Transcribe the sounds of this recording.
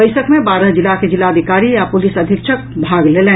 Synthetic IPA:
əɪjsəkmebaɾəɦd͡ʒilːaked͡ʒilaəd̪ʱikaɾijapulisəd̪ʱikt͡ʃʰək̚bʱaɡlelɛ

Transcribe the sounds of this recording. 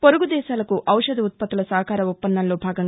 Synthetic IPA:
poɾuɡud̪ɛːʃaːlɐkuʔɐwʂɐd̪iut̪̚pɐt̪ilɐsɐɦɐkaːɾɐupːɐnd̪ɐnlo̞ːbʱaːɡɐŋ

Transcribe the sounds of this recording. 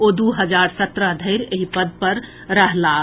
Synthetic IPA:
od̪uɦəd͡ʒaɾsət̪ɾəd̪ʱəɪɾeɦipəd̪̚pəɾ | ɾəɦla

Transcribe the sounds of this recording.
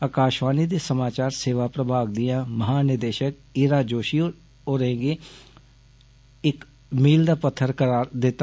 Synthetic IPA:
əkaːʃʋaːniːd̪eːsəmaːt͡ʃaːɾseːʋaːpɾəbʱaːɡ̚d̪ɪjãːməɦaːnɪd̪eːʃək̚ | iːɾaːd͡ʒoːʃi | oːɾẽːɡeː | ɪk | miːld̪aːpət̪ʰːəɾkəɾaːɾd̪ɪt̪ːa

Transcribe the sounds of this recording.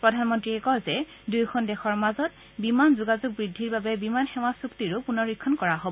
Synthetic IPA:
pɹɔdʱanmɔntɹiɛkɔzɛ | dujkʰɔndɛxɔɹmazɔt̚ | bimanzuɡazʊɡ̚bɹidʱːiɹbabɛbimanxɛwasuktiɹʊpunɔɹikʰːɔnkɔɹaɦobɔ

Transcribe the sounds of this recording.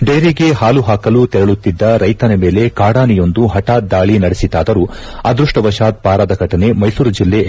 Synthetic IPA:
ɖejɾiɡe̞haːluɦaːkɐlut̪ɛɾɐɭut̪ːid̪ːɐɾɐjt̪ɐnɐme̞ːle̞kaːɽaːnijo̞nd̪uɦɐʈaːd̪aːɭinɐɽesit̪aːd̪ɐɾu | ɐd̪ɾuʂʈɐʋɐʃaːt̪̚paːɾaːd̪ɐɡʱɐʈɐne̞mɐjsuːɾud͡ʒilːe̞

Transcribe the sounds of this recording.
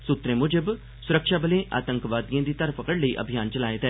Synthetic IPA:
sʊt̪ɾẽːmʊd͡ʒəb | sʊɾəkʃaːbəlẽːʔa̰ːt̪ə̃ŋkʋaːd̪ijãːd̪iːt̪əɾpəkəɽləiːʔə̰bʱijaːnt͡ʃəlaːet̪ɛː

